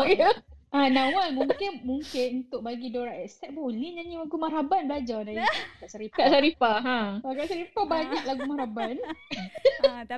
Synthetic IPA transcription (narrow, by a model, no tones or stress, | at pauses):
jəʔanãwanmuŋkɪnmuŋkɪnunt̪ʊʔ̚baɡidoɾaʔɛkst̪ɛʔ̚boliɲaɲilaɡumaɾabanbəlad͡ʒadajkaʔsaɾikaʔsaɾifaɦãakaʔsaɾifabaɲaʔlaɡumaɾaban